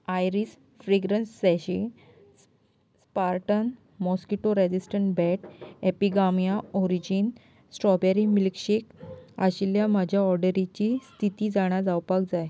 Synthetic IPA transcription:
ajɾis | fɾeɡɾənsːɛɕi | s | spaɾʈən | mɔskiʈoɾed͡ʑisʈəɳʈbɛʈepiɡamjaɔɾid͡ʑin | sʈɾɔbɛɾimilkɕekaɕiljamad͡ʑʱjaɔɾɖəɾit͡ɕist̪ʰit̪iːd͡zaɽ̃ad͡zawpak̚d͡zaj

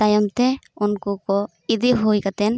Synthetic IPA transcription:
t̪ajɔmt̪ɛunkukɔ | id̪iɦojkat̪ɛn

